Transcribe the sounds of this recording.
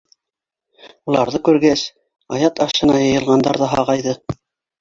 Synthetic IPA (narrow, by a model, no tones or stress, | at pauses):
ulˠɑɾðɤkʉɾɡæs | ɑjɑt̪ɑʃɤ̆nɑjɤ̆jɤ̆lˠʁɑnd̪ɑɾðɑɦɑʁɑjðɤ